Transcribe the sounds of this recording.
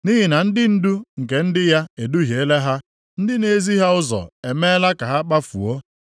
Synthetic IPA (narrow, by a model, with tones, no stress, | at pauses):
ni˦ɦi˨na˨n̩˦dɪ˦n̩˦du˦ŋ̩˨ke˨n̩˦dɪ˦ja˦e˨du˦ɦje˨e˦le˦ɦa˦ | n̩˦dɪ˦ne˨˦zi˦ɦa˦ʊ˦zɔ̰˨e˨me˦la˦ka˨ɦa˦k͡pa˦fṵ˨o˦